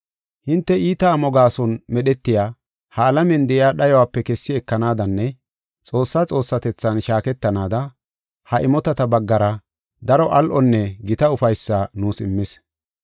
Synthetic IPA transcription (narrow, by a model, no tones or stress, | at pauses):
hɪnt̪ːɛiːt̪ɐːmɔɡaːsɔnmɛɗɛt̪ːɪjaː | hɐːlɐmɛnd̪ɛʔɪjaːɗɐjɔwaːpːɛkɛsːɪɛkːɐnaːd̪ɐnːɛ | t͡sʼo̞ːsːaːt͡sʼo̞ːsːɐt̪ɛt͡sːɐnʃaːkɛt̪ːɐnaːd̪ɐ | hɐʔɪmɔt̪ɐt̪ɐbɐɡːɐɾɐ | d̪ɐɾɔʔɐlʔɔnːɛɡɪt̪ɐʊfɐjsːanuːsɪmːɪs